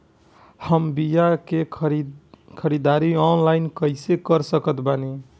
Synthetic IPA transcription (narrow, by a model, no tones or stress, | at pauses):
həmbijake | kʰəɾid̪aɾiɔnlaɪnkəjsekəɾsəkət̪bani